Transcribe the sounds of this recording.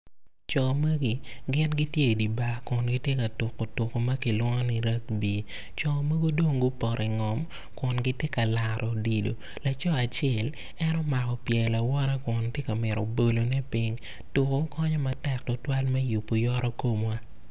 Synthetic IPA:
t͡ʃɔ˨mɐ˦ɡi˨ɡɪ˦nɡi˦tje˦˨di˨ba˨kʊ˨nɡi˦tje˦ka˨tʊ˨kːo˨tʊ˨ko˨mɐ˦ki˨lwɔ˦ŋɔ˦ni˦ɾɐ˦k̚bi˨ | t͡ʃɔ˨mɐ˦ɡo˦dwo˦ŋɡʊ˦pɔ˨ɾʔɛ˨ŋɔ˨m | kʊ˨nɡɪ˦tje˦ka˨la˨ɾʔɔ˨di˨do̰˨ | la˨t͡ʃɔ˦a˨t͡ʃɛ˦˨l | ɛ˦nɔ˦ma˨kɔ˨pjɛ˨la˨wɔ˦ɾa˦kʊ˨ntje˦ka˨mɪ˨ɾɔ̰˨bo˨lo˨nɛ˦pi˦ŋ | tʊ˨ko˦kʰɔ˦ɲɔ˦ma˨tɛ˨k̚tʊ˦twa˦lmɛ˦ju˨pːo˨jɔ˦ɾʔɔ˦ko˦mwa˦

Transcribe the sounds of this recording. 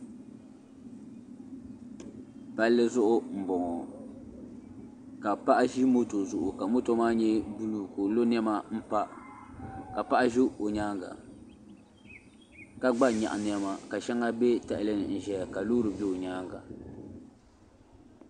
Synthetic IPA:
pa˦lːɨ˦zʊ˦ʔʊ˦m̩˨bɔ˨ŋɔ˨ | ka˨pa˦ʔa˦ʒi˦mo˦to˨zʊ˨ʔʊ˨ka˨mo˦to˦maː˦ɲɛ˦bu˦lu˦ko˨lo˦n˦ɛ˦ma˦m̩˦pa˦ | ka˨pa˦ʔa˦ʒi˦o˨ɲaː˦ŋɡa̰˨ | ka˨ɡ͡ba˦˨ɲa̰˨ʔa˨n˦ɛ˦ma˨ka˨ʃɛ˦ŋa˦be˦ta˨ʔlɨ˦nɨ˨n̩˨ʒɛ˨ka˨loː˦ɾɨ˨bɛ˦o˨ɲaː˦ŋɡa̰˨

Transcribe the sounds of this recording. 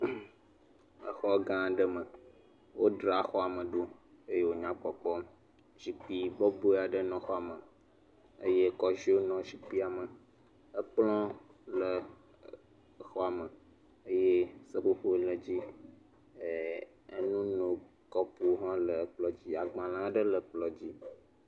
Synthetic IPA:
ə˦xɔ˦ɡã˦˨ɖə˦mə˨ | wo˦ɖɾa˨xɔ˦a˨mə̃˨ɖo˦ | e˦je˦wo˦ɲã˦k͡pɔ˨k͡pɔ˦ | ʒi˨k͡pi˦bɔ˦bo˦˨a˨ɖə˦nɔ̃˨xɔ˦a˨mə˨ | ə̰˦je˦kɔ˦ʒi˦o˦nɔ̃˨ʃi˨k͡pi˦a˨mə˨ | ə˦k͡plɔ̃˦ | lə˨˦ | xɔ˦a˨mə˨ | ə˦je˦sə˦ɸu˦ɸo˦lə˨d͡ʑi˦˨ | ə˦nũ˦nõ˨ | kɔ˦pu˦ɦã˦lə˨˦k͡plɔ˦d͡ʑi˦a˨ɡ͡bã˨lã˦ɖə˦lə˨k͡plɔ˨d͡ʑi˦

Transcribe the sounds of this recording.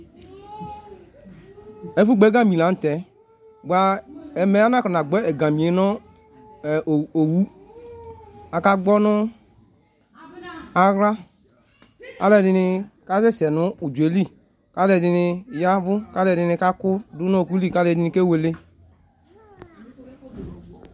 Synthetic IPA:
e˦fu˦ɡ͡be˨˦ɡã˦mi˨lã˨˦n̩˨tɛ˨˦ | ɡ͡ba˨ɛ˨mɛ˨˦a˦na˦kɔ˨na˨ɡ͡bɛ˦ɛ˨ɡã˨mi˨e˨˦nɔ˦˨ | o˨wu˦ | a˨ka˦ɡ͡bɔ˦nʊ˦ | a˨ɾa˦ | ka˦lɛ˨dɪ˧˦nɪ˧ka˦se˦˨sɛ˨nʊ˦u˨d͡ʒe˨˦li˦˨ | ka˦lɛ˨di˧ni˧˨ja˦vʊ˦ka˦lɛ˨dɪ˧ni˧˦ka˦kʊ˦du˦no˦˨ku˦li˦˨ka˦lɛ˨di˦ni˧ke˦we˨le˦

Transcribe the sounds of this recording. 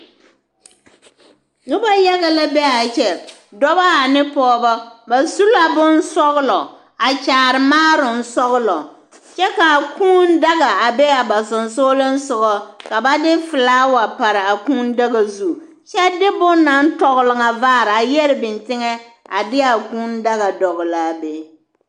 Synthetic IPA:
nʊ˦ba˦ja˦ɣa˦la˦bɛ˦a˨t͡ʃɛ˨ | dɔ˦ba˦a˨nɪ˦pɔː˦bɔ˦ba˨su˦la˦bʊ˦n˦sɔ˦ɣʊ˦lɔ˨ | a˨t͡ʃaː˨ɾɪ˨maː˦ɾʊ˨n̩˦sɔ˦ɣʊ˦lɔ˨ | t͡ʃɛ˦ka˨kuː˦n˦da˦ɣa˨a˨bɛ˦a˨ba˨sʊ˨nsoː˦lɪ˦n˦sʊ˨ɡɔ˦ka˨ba˦dɪ˦fɨ˨laː˦wa˨pa˨ɾɪ˨a˨kuː˦n˦da˦ɣa˨zu˦˨ | t͡ʃɛ˦dɪ˦bʊ˦nːa˦n̩˦tɔ˦ɣʊ˦lɪ˨ŋa˨vaː˦˨ɾɪ˨a˨jɛ˦ɾɪ˨bɪ˨ntɪ˦ŋɛ˦ | a̰˨dɪ˦a˨kuː˦nda˦ɣa˨dɔ˨ɣʊ˨la˨be˦

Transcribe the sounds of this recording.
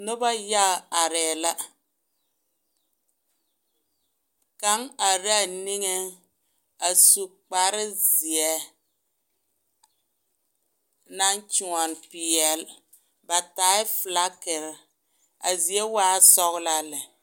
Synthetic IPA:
nʊ˦ba˦ja˦˨a˨ɾɛː˨la˦ | ka˦ŋa˨ɾa˦˨ni˦ŋe˦ | a˨su˨k͡pa˨ɾɪ˦zi˨ɛ˦ | na˦n˦t͡ʃu˨ŋɔ˨npɪ˨jɛ˨l | ba˨taː˨˦ɪ˦fla˦kɪ˨ɾ | a̰˨zi˨ɛ˦waː˦sɔ˦ɣla˦lɛ˨

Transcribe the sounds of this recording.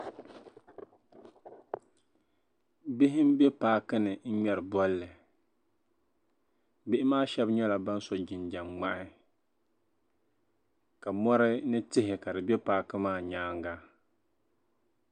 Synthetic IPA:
bɪ˦ɦɪ˦m˦bɛ˦paː˦kɨ˦nɨ˨n̩˦ɲɛ˨ɾɨ˨bɔ˦lːɨ˨ | bɪ˦ʔɪ˦maː˦ʃɛ˦bɲɛ˦la˨ba˦n˦sɔ˦d͡ʒɪ˨nd͡ʒa˨mŋ͡ma˦ʔɪ˦ | ka˨mɔ˦ɾɪ˦nɨ˦tɪ˦ɦɪ˨ka˨dɨ˨bɛ˦paː˦kɨ˦maː˦˨ɲaː˦ŋɡa˦

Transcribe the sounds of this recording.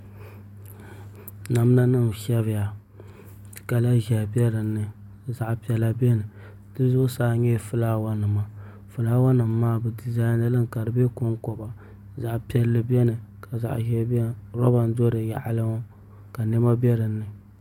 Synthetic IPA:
na˨m˦na˦nɨ˦m˨ʃɛ˦βɪ˨ja˨ | ka˨la˦ʒɛ˨bɛ˦ɾɨ˨nːɨ˨ | za˨ʔpi˨ɛ˨la˦bɛ˦nɨ˨ | d̥ɨ˦zʊ˦saː˦ɲɛ˦˨fɨ˦la˦wa˦nɨ˨ma˨ | fɨ˨laː˦wa˦nɨ˨mːaː˦bɨ˨di˨za˦na˦lɨ˦ŋ˨ka˨ɾɨ˨bɛ˦ko˦ŋkɔ˨ba˨ | za˨ʔpɛ˦lːɨ˦bɛ˦nɨ˨ka˨za̰˨ʔʒɛ˦bɛ˦ɾɔ˦ba˨n̩˦do˦ɾɨ˨ja̰˨ʔa˨lɨ˦ŋ˦ | ka˨nɛ˦ma˦bɛ˦ɾɨ˨nːɨ˨

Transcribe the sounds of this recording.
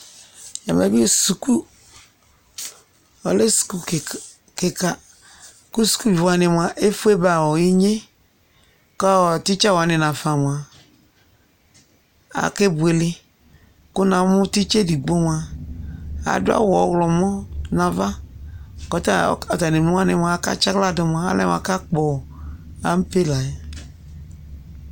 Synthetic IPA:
ja̰˨m˨a˨˦bi˦su˨ku˦ | ɔ˨le˦su̥˨ku˦˨ | ke˨ka˨ | ku˦su̥˨ku˦d͡ʒwa˨nɪ˨m˨a˨ʔe˦fu˦e˦ba˨wɔ˨ji˦ɲe˦ | kɔ˦ɔ˨tɪ˦t͡ʃa˦wa˨˦nɪ̃˨nã˨fa˨mʊ̃˨a˨ | a̰˨ke˦bu˨e˨lɪ˦ | kʊ˦nã˨mʊ˦ti˦t͡ʃe˦di˨ɡ͡bo˦m˨a˨ | a̰˨dʊ˦a̰˦wɔ˨˦ɣlɔ˨mɔ˦nã˨va˦ | kɔ˨ta̰˦˨ɔ˨ta˨ni˨u˦wa˦nɪ̃˨m˨a˨˦ka̰˦t͡ʃa˦kla˦˨dɔ˨m˨a˨a̰˦lɛ̰˦m˨a̰˨˦ka˦k͡pɔ˨ | a˨˦m̩˦pe˦la˨ɛ˨

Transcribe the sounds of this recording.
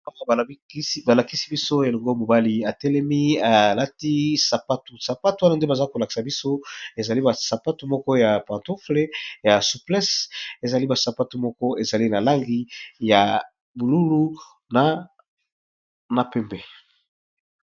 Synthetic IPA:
a˦wa˦˨a˨˦ba˨la˨ki˦si̥˦bi˦so˦e˨lɔ˨ŋɡo˦mo˨ba˦li˦a˨tɛ˦lɛ˦mi˦a˨la˦ti˦sa˨pa˦tu˨sa˨pa˦tu˨wa˦na˦nde˦ba˨za˦ko˨la˨ki̥˨sa˨bi˦so˦e˨za˨li˦ba˨sa˨pa˦tu˨mɔ˦kɔ˦ja˨pã˨nto˦fle˦ja˨su˨plɛ˦se˨za˨li˦ba˨sa˨pa˦tu˨mɔ˦kɔ˦e˨za˨li˦na˨la˦ŋɡi˦ja˨ | bu˨lu˦lu˦ | na˨ | na˨pɛ˦mbɛ˨

